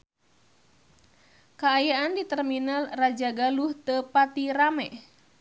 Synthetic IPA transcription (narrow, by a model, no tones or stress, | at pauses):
kaːjaʔandit̪ərminalrad͡ʒaɡaluht̪əpat̪iramɛ